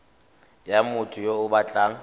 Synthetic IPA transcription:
jamʊtʰʊjoʊbat͡ɬʼaːŋ̩

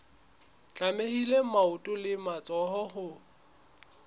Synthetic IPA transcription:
t͡ɬʼamehilemaʊtʼʊlɪmat͡sʼɔɦɔhʊ

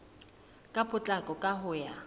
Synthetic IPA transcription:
kʼapʼʊt͡ɬʼakʼɔkʼaɦʊja

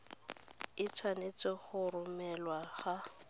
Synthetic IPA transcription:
ɪt͡sʰwanet͡sɔχʊrʊmɛlwaχa

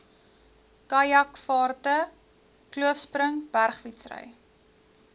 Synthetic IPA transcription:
kɐjɐkfɑːrtə | kluəfsprəŋb̥ærχfitsrə̰j

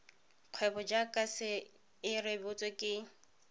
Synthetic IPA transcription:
q͡χʰwɛbɔd͡ʒakʼasɪ | ɪrebʊt͡sʼɛkʼɪ

